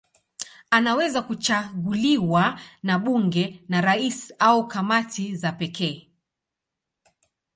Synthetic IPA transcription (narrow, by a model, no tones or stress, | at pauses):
anawɛzakut͡ʃaɡuliwanaɓuŋɡɛnaɾaisiaukamatizapɛkʰɛː